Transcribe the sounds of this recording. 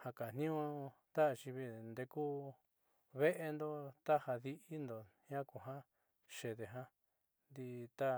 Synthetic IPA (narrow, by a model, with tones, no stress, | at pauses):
ha˧ka˨n̥nĩ˦ũ˧t̪a˦ʔt͡ʃi˧βi˧nd̪e˧ku˦ | βe˦ʔe˧nd̪o˦t̪a˦ha˧ði˧i˦nd̪o˨ɲã˦ku˨ɦã˦ | ʃe˨ðe˨ɦã˦ | nd̪i˧t̪a˦